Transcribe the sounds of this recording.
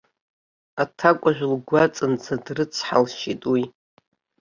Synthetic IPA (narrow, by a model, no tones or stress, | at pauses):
atʰakʷʼaʒᶣlɡʷat͡sʼɨnt͡sʰadrɨt͡sʰħa̰lʃitʼwi